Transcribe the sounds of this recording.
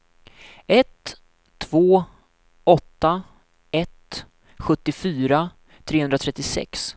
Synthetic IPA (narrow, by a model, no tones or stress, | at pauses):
ɛt̪ʰː | voː | ɔt̪ːa | ɛt̪ | ɧɵt̪ːɪfyːɾa | t̪ʰɾeːhɵnd̪ɾat̪ʰɾɛt̪ːɪsɛ̰ks